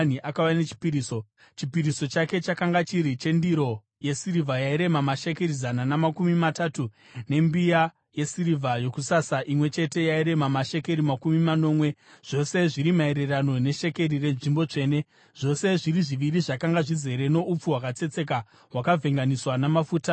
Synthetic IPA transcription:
niʔakawanet͡ʃi̥piɾiːso | t͡ʃipiɾiso̞t͡ʃake̞t͡ʃakaŋɡat͡ʃiɾit͡ʃe̞ndiɾo̞ | je̞siɾivʱajaiɾe̞mamaʃe̞ke̞ɾizananamakumimatatu | ne̞mbija | je̞siɾivʱajokusasaʔimwe̞t͡ʃe̞te̞jaiɾe̞mamaʃe̞ke̞ɾimakumimano̞ːmwe̞ʐ̥o̞se̞ʐiɾimae̞ɾe̞rano̞ne̞ʃe̞ke̞rire̞nʐimbo̞t͡ʂe̞ːne̞ | ʐ̥o̞se̞ʐiɾiʐiʋiriʐakaŋɡaʐize̞ɾe̞no̞up͡fuwakat͡se̞t͡se̞k̬a | wakavʱe̞ŋɡaniswanamafuːta

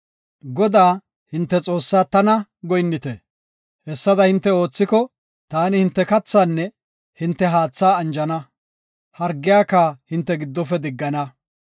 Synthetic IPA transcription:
ɡɔd̪aː | hɪnt̪ːɛt͡sʼo̞ːsːaːt̪ɐnɐɡɔjnːɪt̪e | hɛsːɐd̪ɐhɪnt̪ːɛo̞ːt͡sːɪkɔ | t̪aːnɪhɪnt̪ːɛkɐt͡sːaːnːɛ | hɪnt̪ːɛɦaːt͡sːaːɐnd͡ʒɐnɐ | hɐɾɡːɪjaːkːahɪnt̪ːɛɡɪd̪ːɔfɛd̪ɪɡːɐnɐ

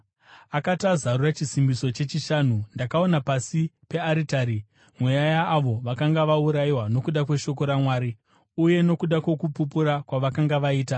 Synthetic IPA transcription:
akatazarurat͡ʃisimbiso̞t͡ʃe̞t͡ʃiʃaːnundakao̞napasipe̞aɾitaːɾi | mwe̞jajaːʋo̞ʋakaŋɡaʋauɾaiwano̞kuɗakwe̞ʃo̞ko̞ɾamwaːɾi | uje̞no̞kuɗakwe̞kupupuɾakwaʋakaŋɡaʋaiːta

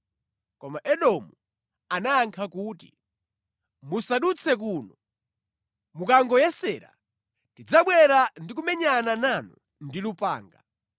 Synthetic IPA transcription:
kɔmaʔɛɗɔmu | anaaŋkʰakuːtḭ | musaɗut͡sʰɛk̬uːnɔ | mukaŋɡɔjɛsɛːɾa̰ | tid͡zaɓwɛɾandik̬umɛɲanananu | ndilupa̰ːŋɡa̰

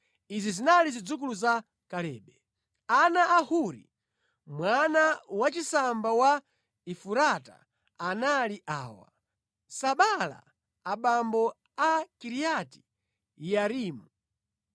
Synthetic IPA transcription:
izizinalizid͡zuk̬uluza | kalɛ̰ːɓɛ | anaʔahuɾḭ | mwanawat͡ʃisambawa | ifuɾata̰ | analiʔa̰ːwa̰ | saɓala̰ː | ɓambɔ | akiɾijati̥ | jaɾiːmu

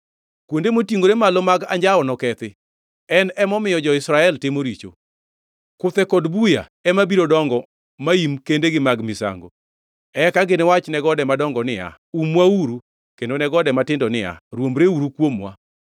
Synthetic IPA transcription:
kwondemotiŋɡoɾemalɔmaɡaɲd͡ʒaɔnɔkɛt̪ɪ | ɛnɛmɔmɪjɔd͡ʒɔɪsɾaɛltɪmoɾit͡ʃo̰ | kʊt̪ɛkɔdbuja̰ɛmabiɾodɔŋɡɔ | maimkendeɡɪmaɡmɪsa̰ŋɡo̰ | ɛkaɡɪnɪwat͡ʃnɛɡɔdɛmadɔŋɡɔnɪa̰ | umwauɾu | kendonɛɡɔdɛmatɪndɔnɪa̰ɾwomɾeuɾukwomwa̰

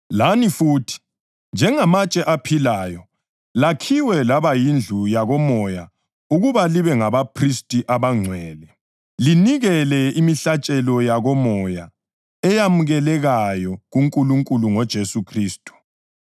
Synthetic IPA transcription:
lanifuːtʰi̥ | nd͡ʒʱɛŋamat͡ʃʼɛʔapʰilaːjɔ | lakʰiwɛlaβajind͡ɮʱujaɣɔmɔja | uɣuβaliβɛŋaβapʰristʼiʔaβaŋ͡ǀʱwɛːlɛ | liniɣɛlɛimiɬat͡ʃʼɛlɔjaɣɔmɔja | ɛjamuɣɛlɛɣajɔɣuŋkʼuluŋkʼuluŋɔd̥ʒ̥ʱesukʰriːstʼu̥

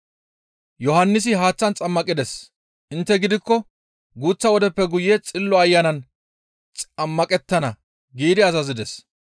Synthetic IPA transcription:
jɔhɐnːɪs̬ɪɦaːt͡sːɐnt͡sʼɐmːɐkʼɪd̪ɛs | ʔɪnt̪ːɛɡɪd̪ɪkːɔ | ɡuːt͡sːɐwɔd̪ɛpːɛɡʊjːet͡sʼɪlːɔɐjːɐnɐn | t͡sʼɐmːɐkʼɛt̪ːɐnɐ | ɡiːd̪ɪɐzɐzɪd̪ɛs

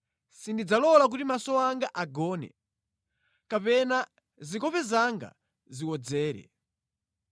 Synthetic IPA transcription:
sindid͡zalɔlak̬utimasɔwaŋɡaʔaɡɔːnɛ̰ | kapɛna | zikɔpɛzaŋɡa̰ | ziwɔd͡zɛːɾɛ̰

